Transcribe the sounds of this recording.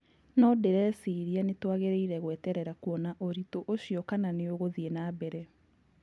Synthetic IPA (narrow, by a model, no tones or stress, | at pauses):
nɔdeɾɛsiɾianetwaɣeɾeiɾɛɣwɛːtɛɾɛɾakuɔnaʔoɾitoʔoɕiɔkananeoɣoðienabɛɾɛ